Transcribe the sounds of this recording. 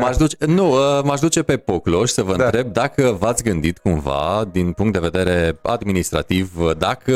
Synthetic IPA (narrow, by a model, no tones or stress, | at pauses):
maʒd̪ut͡ʃenuəmaʒd̪ut͡ʃe̞pe̞po̞klo̞ʃsəvəɨnɾe̞b̚d̪akəvat̪sʲɡɨnd̪it̪kumva̰d̪inpuŋkt̪d̪e̞ve̞d̪e̞ɾe̞a̰d̪minist̪ɾa̰t̪ivd̪akə